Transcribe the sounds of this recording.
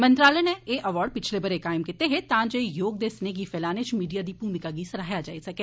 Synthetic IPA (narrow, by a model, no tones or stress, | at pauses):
mə̃nt̪ɾaːlənɛːeːʔəʋaːɖ̚pɪt͡ʃʰleːbəɾekaːɪmkɪt̪eɦet̪ãːd͡ʒejoːɡ̚d̪eːsneɡiːfʰɛːlaːnet͡ʃmiːɖijaːd̪iːpuːmɪkaːɡisəɾaːɦjad͡ʒa̰ːisɐkeː